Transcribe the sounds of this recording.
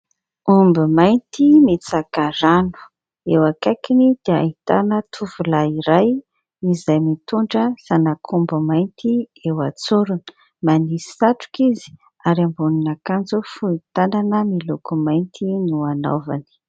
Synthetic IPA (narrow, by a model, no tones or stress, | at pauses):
umbimajnt̪imit͡sakaɾanu̥ | ewakakinid̪̥ea̰it̪a̰nət̪ʰuvulaiɾaj | nizajmit̪uɳɖ͡ʐəsanakʰumbumajnt̪i | ewat͡suɾuni̥ | manisi̥saʈ͡ʂu̥kizi̥ | aɾiambuninakand͡zufuit̪ananəmilukumajnt̪inuano̰va̰ni̥